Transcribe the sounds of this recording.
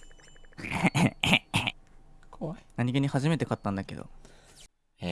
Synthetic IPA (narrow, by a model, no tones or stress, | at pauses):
knaɲ̟iɡeɲ̟ihaʑime̞t̪e̞kat̪ːãnd̪ake̞̰d̪o̰